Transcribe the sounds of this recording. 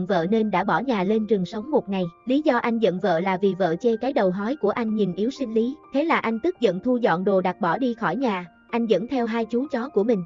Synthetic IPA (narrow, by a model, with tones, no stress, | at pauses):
nvə̰ː˧˨ne˧nɗa̰ː˧˥˩ɓɔ˧˩ɲaː˨˩le˧nt͡ɕɨ˨˩əŋsə˨˦wŋ͡mmo˨˩t̚ŋa˨˩jli˨˦zɔ˧ʔa˧jŋ̟zə̰˧˨nvə̰ː˧˨laː˨˩vi˨˩və̰ː˧˨t͡ɕe˧kaː˨˦jɗə˨˩wɦɔ˨˦jku˧˩əʔa˧jŋ̟ɲi˨˩nʔi˨˦əwsï˧ŋ̟li˨˦t̪ʰe˨˦laː˨˩ʔa˧jŋ̟t̪ɨ˦˥k̚zə̰˧˨nt̪ʰu˧zɔ̰˧˨nɗo˨˩ɗa˨˩t̚ɓɔ˧˩ɗi˧xɔ˧˩jɲaː˨˩ | ʔa˧jŋ̟zə̰˧˥nt̪ʰɛ˧wɦaː˧jt͡ɕu˨˦t͡ɕɔ˨˦ku˧˩əmï˨˩ŋ̟